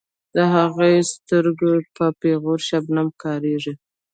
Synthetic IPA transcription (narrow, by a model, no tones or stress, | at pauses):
d̪əɦaɣast̪əɾɡopəpeɣoɾʃabnamkɑɾeʐi